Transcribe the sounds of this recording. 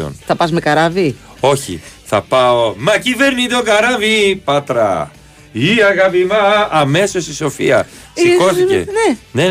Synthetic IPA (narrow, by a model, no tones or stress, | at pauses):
o̰nθɐpɐzmekɐɾɐvi | o̞çḭθɐ̰pɐo̞mɐcive̞ɾnit̪okɐɾɐvipɐt̪ɾɐ̰ | iɐɣɐpimɐːme̞so̞st̪iso̞fiɐ | siko̞θicḛnene